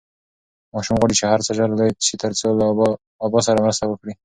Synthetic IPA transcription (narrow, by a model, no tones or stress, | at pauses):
mɑʃumɣwaɽit͡ʃehaɾt͡səʒaɾlḁt͡ʃet̪əɾt͡solaː | bɑsaɾamɾəst̪awəkɽi